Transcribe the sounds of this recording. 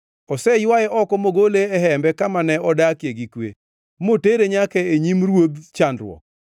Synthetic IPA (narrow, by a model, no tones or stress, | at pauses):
ɔsɛjwajɛʔɔkɔmoɡoleɛɦɛmbɛkamanɛɔdakjeɡikwḛ | moteɾeɲakɛeɲimɾwod̪t͡ʃandɾwɔ̰k̚